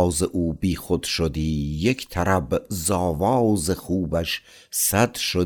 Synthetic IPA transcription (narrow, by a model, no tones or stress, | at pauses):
wzɪʔuːbiːxod̪ʃod̪iːjekʰʲt̪ʰæɾæbzɑːvɑːwzɪχuːbæʃ | sæd̪ʃo